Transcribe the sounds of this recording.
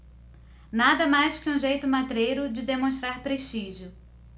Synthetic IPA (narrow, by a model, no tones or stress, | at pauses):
nad̪ɐmajskɪũʒejt̪ʊmat̪ɾejɾʊd͡ʒɪd̪emõʃt̪ɾaɾpɾeʃt͡ʃiʒjʊ